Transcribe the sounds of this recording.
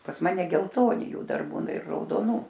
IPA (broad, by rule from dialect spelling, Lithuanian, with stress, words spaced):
pɐs ˈmɑːnʲɛ ɡʲɛlˠˈtoːnʲɪ ˈjuː ˈdɐr ˈbuːnɐ ɪr rɐʊdoːˈnuː